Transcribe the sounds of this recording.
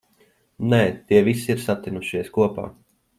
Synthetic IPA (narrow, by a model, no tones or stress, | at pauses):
nɛːt̪iɛvisiiɾsat̪inuʃiɛskuɔpa̰ː